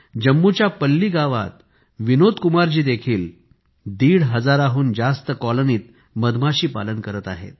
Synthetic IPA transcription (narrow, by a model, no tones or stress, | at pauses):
d͡ʑəmːut͡ɕjapəlːiːɡaʋa̰t̪̚ | ʋinod̪kumaɾd͡ʑiːd̪ekʰiːl | d̪iːɽɦəd͡zaɾaɦuːnd͡zast̪əkɔloniːt̪̚ | məd̪maɕiːpalənkəɾət̪a̰ɦḛt̪̚